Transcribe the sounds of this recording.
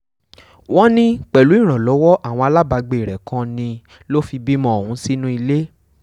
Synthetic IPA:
wɔ̃˦nĩ˦k͡pɛ˨lu˨˦i˦˨ɾ̃ã˨lɔ˨˦wɔ˦ʔa˦˨w̃ɔ̃˧a˧la˦ba˧ɡ͡be˨ɾɛ˨kʰã˦nĩ˧ | lo˦fi˧bi˦mɔ̃˦o˨hũ˨˦si˦nũ˦i˧le˦

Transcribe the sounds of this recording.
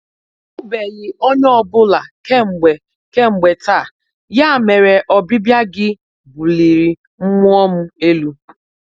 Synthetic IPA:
ʊ˦be˨ɣɪ˨o˦ɲ˦ɔ˦bʊ˦la˨ke˦ŋ͡m̩˨ɡ͡be˨ | ke˦ŋ͡m̩˨ɡ͡be˨ta˦˨ | ja˦˨me˨ɾe˨ʔɔ˨bɪ˦bja˦ɡɪ˦ | bu˨li˨ɾi˨ | m̩˦mu˦ɔ˦m̩˦e˦lu˦

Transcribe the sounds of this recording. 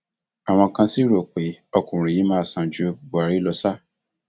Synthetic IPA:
a˨w̃ɔ̃˧kã˧si˦ɾo˨k͡pe˨ɔ˧kũ˨ɾĩ˨ji˨˦mãː˦˨sã˨d͡ʒu˨˦o˧˨bu˨a˨ɾi˦lɔ˧sa˦

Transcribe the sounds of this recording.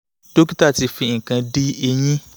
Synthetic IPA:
to˦ki˦ta˦˨ti˧fi˧˨ŋ̩˨kã˧di˦e˧j̃ĩ˦

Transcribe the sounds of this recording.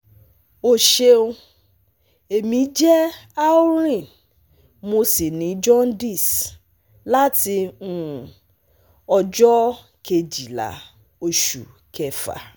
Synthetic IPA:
o˨ʃe˧o˧ | e˨mĩ˨˦d͡ʒɛ˦a˦u˦ɾ̃ĩ˦˨n | mo˧si˨nĩ˨˦d͡ʒɔ̃˦n˦di˦˨s | la˦ti˧nũ˦ | ɔ˧d͡ʒɔ˦ | kʰe˧d͡ʒi˨la̰˨ | o˧ʃṵ˨ | kʰɛ˨fa̰˨

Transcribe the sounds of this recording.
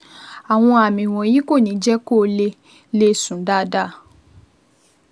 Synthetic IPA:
a˨w̃ɔ̃˧a˨mĩ˨w̃ɔ̃˨jĩ˨˦ko˦˨nĩ˨˦d͡ʒɛ˦ko˦˨˦le˧ | le˦sũ˨˦da˦˨˦da˦˨

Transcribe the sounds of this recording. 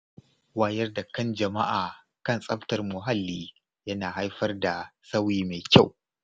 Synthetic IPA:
waː˦jɐ˦rda˨kɐ˦nd͡ʒɐ˨ma˦ʔaː˨ | kɐ˦˨nsʼɐ˦ɸtɐ˨rmʊ˨ɦa˦lːiː˦ | jɐ˦naː˨ɦa˦jɸɐ˦rda˨sa˦wjiː˦me˨kʲa˦˨w

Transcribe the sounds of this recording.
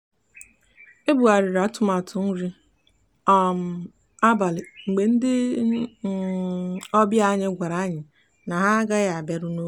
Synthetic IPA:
e˦bu˨a˨ɾɪ˨ɾa˨˦tʊ˦ma˨tʰʊ˨n̩˦ɾi˦ | ɔ˨m̩˨ | a˦ba˨lɪ˨ŋ͡m̩˨ɡ͡be˨n̩˦dɪ˦ | ɔ˦bja˦ɲɪ˦ɡʷa˨ɾa˨˦ɲɪ˨ | na˨ɦa˦ɡa˦ja˨a˨be˨ɾʊ˦no˦

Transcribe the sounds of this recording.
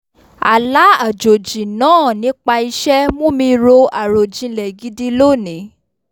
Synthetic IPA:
a̰˨la˨˦a˨d͡ʒo˨d͡ʒĩ˨nãː˦˨nĩ˨˦k͡pa˧i˧ʃɛ˦mũ˦mĩ˧ɾo˧a˨ɾo˨d͡ʒĩ˨˦lɛ˨ɡi˨˧˦di˦lo˦˨nĩ˨˦

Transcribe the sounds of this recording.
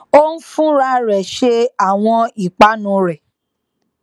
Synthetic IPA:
o˦n̩˦fũ˦ɾa˦ɾɛ˨ʃe˧a˦˨w̃ɔ̃˧i˨k͡pa˨˦nũ˧˦ɾɛ˨

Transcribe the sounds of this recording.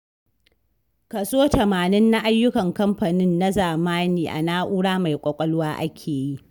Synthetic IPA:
kɐ˨soː˦tɐ˨maː˨nɪ˦nːa˦ʔa˦jːʊ˦kɐ˨ŋkɐ˦mɸa˨nɪ˦nːa˦zaː˨maː˦niː˦˨ʔa̰˨naː˦ʔuː˦ɽaː˦ma˨jkʷʼɐ˨kʷʼɐ˦lwaː˦ʔa̰˦kʲʰeː˨ji˦ʔ

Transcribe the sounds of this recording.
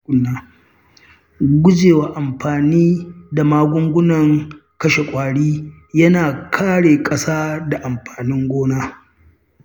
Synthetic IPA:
ʊ˦nːaː˦˨ | ɡʷʊ˦d͡ʒeː˨waː˨ʔa˨mɸaː˨niː˦da˨maː˦ɡʷʊ˦ŋɡʷʊ˦nɐ˨ŋ | kɐ˦ʃe˨kʷʼaː˨ɽiː˦ | jɐ˦naː˨kʰaː˦ɽeː˨kʼɐ˦saː˦da˨ʔa˨mɸaː˨nɪ˦ŋɡʷoː˦naː˦

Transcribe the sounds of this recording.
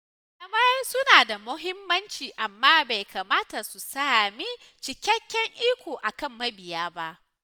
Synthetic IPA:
lɐ˦mɐ˦jɐ˦rsʊ˦naː˨da˨mʊ˦ɦɪ˦mːɐ˦nt͡ʃiː˨ʔa˨mːaː˦ba˨jka˨maː˦ta˨su˨saː˦mi˦ | t͡ʃɪ˨kʲɐ˦kʲːɛ˦ŋʔiː˦kʷoː˨ʔa˨kɐ˦˨mːɐ˦bɪ˨jaː˦ba˦ʔ

